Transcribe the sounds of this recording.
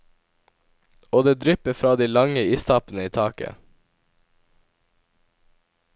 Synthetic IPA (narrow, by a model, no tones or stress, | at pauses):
oːd̪eːd̪ɾʏpəfɾɑːd̪iːlɑŋəiːst̪ʰɑːpnəiːt̪ʰɑːkə̰